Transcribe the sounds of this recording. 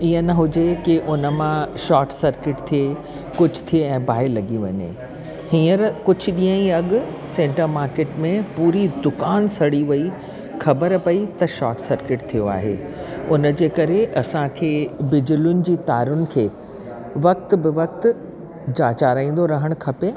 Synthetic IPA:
iːənɐɦʊd͡ʑekɪʔʊnə̆mãʃɔːʈsɐɾkɪʈt̪ʰie | kʊd͡ʑʱt̪ʰieɛ̃ːbʱaːɪlɐɠiʋɐ̰ɲḛ | hĩːəɾkʊd͡ʑʱʊɗĩːə̃iɐɠʊ | sẽːɳʈəɾmaːɾkeːʈmẽpuːɾid̪ʊkaːnsɐɽiʋɐi | xʰɐbəɾpɐit̪ɐʃɔːʈsɐɾkɪʈt̪ʰijoa̰ːɦḛː | ʊnəd͡ʑeːkɐɾeʔɐsãkʰeːbɪd͡ʑʊlʊnɪ̆d͡ʑiːt̪aːɾʊnɪ̆kʰeː | ʋɐk̚t̪̆bɪʋɐk̚t̪ | d͡ʑaːt͡ɕaːɾaːĩːnd̪oɾɐɦəɽ̃kʰɐpe

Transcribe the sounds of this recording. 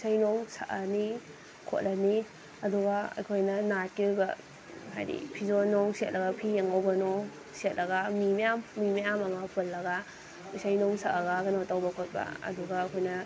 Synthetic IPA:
sajnɔŋsaʔɐni | kʰo̰t̚lɐni | ɐduɡaɐ̰jkʰojnɐnat̚kiujbɐ | ɦa̰jdḭpʰizonɔŋset̚lʔɐɡɐpʰijaŋɐwbɐnɔŋ | set̚lɐɡamimejamːimajamɐmɐpɯlːɐɡa | usajnɔŋsaʔɐɡaɡɐnowtawbɐkʰot̚bɐ̰ɐ̰duɡaːkʰojnɐ

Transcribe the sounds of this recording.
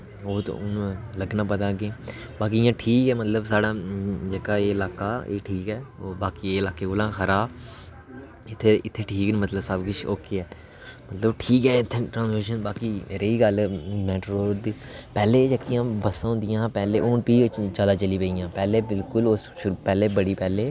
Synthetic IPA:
oːt̪nləɡnãːpət̪aːɡeː | baːk̬ijãːʈʰiːkɛːmət̪ləbsaːɽãːd͡ʒəkaːeːɪlaːkaːḛːʈʰiːkɛːobaːkieːɪlaːkeːɡolãːxʰəɾaː | ɪt̪ʰːeːɪt̪ʰːeːʈʰiːknmət̪ləbsəbkʊt͡ʃʰoːkeɛː | mət̪ləbʈʰiːkɛːɪt̪ʰːeʈɾãːsmeːʃənbaːkiːeːɾeːiːɡəlmɛːʈɾoːɾd̪iːpɛːleːd͡ʒəkːijãːbəsãːɦʊ̃nd̪ɪjãːpɛːleːʔʊːnpiːd͡ʒaːd̪aːt͡ʃəliːpeijãːpɛːleːbɪlkʊlosʃʊɾupɛːleːbəɽiːpɛːleː

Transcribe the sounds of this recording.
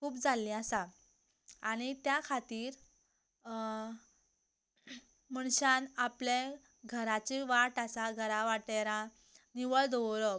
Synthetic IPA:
uːpd͡zalːĩasa | aɽ̃it̪jakʰat̪iːɾ | məɳɕãnapljẽ | ɡʱəɾat͡ɕiʋaʈasaɡʱəɾãʋaʈeɾã | niʋəɭd̪əʋɾɔ

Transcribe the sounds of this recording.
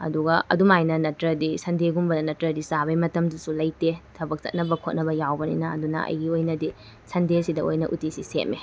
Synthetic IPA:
ɐ̰duɡɐɐ̰dumajnɐnɐtɾɐdisɐndeɡumbɐdɐnɐtɾɐdisabɐjmɐtɐmdusulɐjtetʰɐbɐk̚t͡ʃɐ̰t̚nɐbɐkʰot̚nɐbɐjawbɐnḭnɐɐ̰dunɐ̰ɐ̰jɡiojnɐdi | sɐndesidɐo̰jnɐ̰ʔutisisḛt̚mi

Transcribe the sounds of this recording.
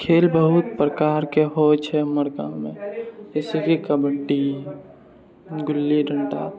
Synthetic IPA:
kʰeːlbəɦut̪̚pɾəkaːɾkeɦot͡ʃʰɛməɾka̰mẽesikikəbəʈːi | ɡʊlːiɖʱəɳʈa̰

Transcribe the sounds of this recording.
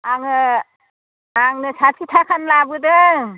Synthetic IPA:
aŋɯ | aŋnɯsʰatʰit̪ʰakʰanlabɯd̪ɯ

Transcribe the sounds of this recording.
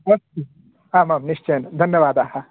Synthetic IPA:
mɐst̪u | aːmaːmniʂt͡ʃejnd̪ʱɐnjɐʋaːd̪aːɦɐ̆

